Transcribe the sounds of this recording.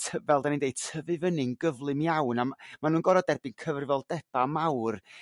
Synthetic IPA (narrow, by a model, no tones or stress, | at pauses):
tʰəvɛlˠdanindeɨdtʰəvɨvənɪŋɡəvlˠɨmjawnammanuːnɡɔɾɔdɛrbɪnkʰəvrɪvɔlˠdɛb̥amawr